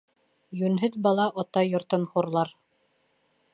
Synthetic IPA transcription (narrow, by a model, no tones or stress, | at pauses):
jʉnɦɘðbɑlˠɑʔot̪ɑjŏɾt̪ɤnχuɾlˠɑɾ